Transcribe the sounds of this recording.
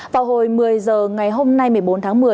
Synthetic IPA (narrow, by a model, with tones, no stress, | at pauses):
vaː˨˩who˨˩jmɨ˨˩əjzəː˨˩ŋa˨˩jɦo˧mna˧jmɨ˨˩əjɓo˨˦nt̪ʰaː˨˦ŋmɨ˨˩ə